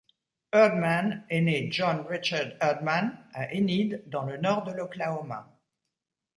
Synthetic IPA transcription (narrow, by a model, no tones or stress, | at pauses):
œʁd̪maneneʒɔ̃nʁit͡ʃaʁd̪ɛʁd̪manaʔenid̪ːɑ̃lənɔʁd̪əlɔklaoma̰